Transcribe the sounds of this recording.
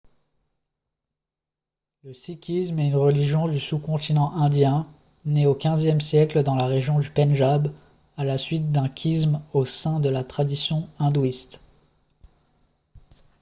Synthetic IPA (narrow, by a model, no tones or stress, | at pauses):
ləsikʲʰismɛynʁəliʒjɔ̃d̪ysukɔ̃t̪inɑ̃ʔɛ̃d̪jɛ̃ | neokʲɛ̃zjɛmsjɛkləd̪ɑ̃laʁeʒjɔ̃d̪ypɛnʒab | alasɥit̪̚d̪ɛ̃kʲʰismosɛ̃d̪əlat̪χad̪isjɔ̃ɛ̃d̪uist̪